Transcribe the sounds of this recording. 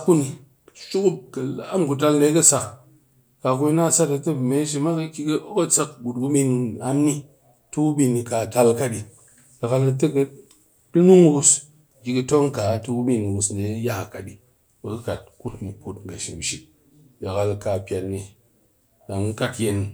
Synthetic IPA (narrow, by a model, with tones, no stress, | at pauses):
ku˦ni˨ | ʃu˦ku˦kɐ˨˦a˦m˨ku˨t̬a˧lle˧˦kɐ˦sa˧ | ka˨ku˦i˦na˦˨sa˦tɐ˧te˦˨me˨˦ʃ̬i˧ma˦kɐ˦kʲi˦ko˦kɐ˦t͡sa˧k̚ɡu˨t̚ku˦bi˧na˦mːi˦ | tu˦ku˦bi˧nːi˧ka˨ta˧lka˦di˨ | jʲa˨ka˧lɐ˧te˦kɐ˧ | dɨ˦nu˦ŋ˦ɡu˧s | kʲi˧kɨ˧to˦ŋka˨˦tu˧ku˦bi˧n˨ɡu˨˧sne˨˦ja˦˨ka˨ɗi˨ | bɐ˨kɨ˦ka˨t̚ku˦tni˨ku˦tŋ˨ɡa˨ʃi˨m˨ʃi˨ | ba˨ka˨lka˨pʲja˨tni˨ | da˨ŋ˦ka˦tje˨n